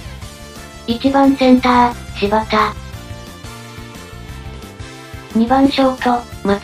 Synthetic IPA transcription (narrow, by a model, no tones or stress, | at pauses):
it͡ɕibãñsẽ̞nt̪aːt͡ɕiβat̪a | ɲ̟ibãɰ̃ɕoːkʲoma